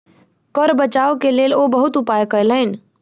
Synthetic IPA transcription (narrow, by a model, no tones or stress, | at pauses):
kəɾbət͡ʃaːokeleːlobɐɦʊt̪ʊpaːjkələɪn